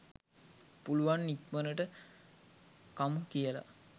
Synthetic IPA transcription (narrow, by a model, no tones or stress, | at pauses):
puluʋanːikmənəʈə | kamukijəla̰